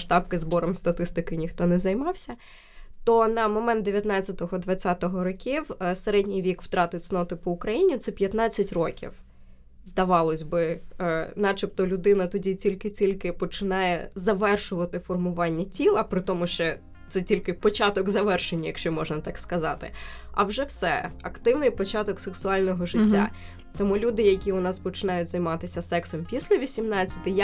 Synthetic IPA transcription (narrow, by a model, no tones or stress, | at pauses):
ʃt̪ɑpkɪzbɔɾɔmst̪ɐt̪ɪst̪ɪkɪnʲixt̪ɔnɛzɐjmɑwsʲɐ | t̪ɔnɐmɔmɛnt̪d̪eʋʲjɐt̪nɑt͡sʲɐt̪ɔɦɔd̪ʋɐt͡sʲat̪ɔɦɔɾɔkʲiwseɾɛdʲnʲijʋʲikʋt̪ɾɑt̪ɪtʲsnɔt̪ɪpɔʊkɾɐjinʲit̪sɛpʲjɐt̪nɑt͡sʲːɐtʲrɔkʲḭw | zd̪ɐʋɑlˠɔsʲbɪ | nɑt͡ʃɪp̚t̪ɔlʲʊd̪ɪnɐt̪ɔdʲitʲilʲkɪtʲilʲkɪpɔt͡ʃɪnɑjɛ̰zɐʋɛrʃʊʋɐt̪ɪfɔrmʊʋɑnʲːɐtʲilˠɐpɾɪt̪ɔmʊʃt͡ʃɛ | t̪sɛtʲilʲkɪpɔt͡ʃɑt̪ɔɡzɐʋɛrʃenʲːɐjɐkʃt͡ʃɔmɔʒnɐt̪ɑkskɐzɑt̪ɪ̰ɐ̰wʒɛwsɛ̰ɐkt̪ɪwnɪjpɔt͡ʃɑt̪ɔkseksʊɑlʲnɔɦɔʒɪtʲːa̰ | t̪ɔmulʲud̪ɪjɐkʲiʊnɑspɔt͡ʃɪnɑjʊtʲzɐjmɑt̪ɪsʲɐsɛksɔmpʲisʲlʲɐʋʲisʲimnɑt͡sʲːɐ̥t̪ʲɪj